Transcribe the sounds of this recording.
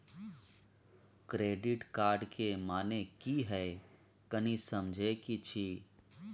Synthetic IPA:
kɾeːɖɪʈkaːɾɖkʰemaːnekiɦɛ | kɐnĩsɐmd͡ʒʱekit͡ʃʰiː

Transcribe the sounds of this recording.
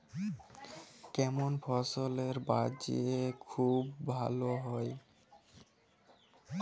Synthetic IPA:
kɛmonfʰɔsoleɾbad͡ʑḭekʰubːʱa̰loɦɔe

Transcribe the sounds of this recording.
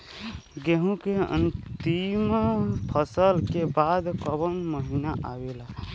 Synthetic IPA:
ɡeɦũkeə̰nt̪impʰəsəlkebad̪kəbənməɦinaʔawela

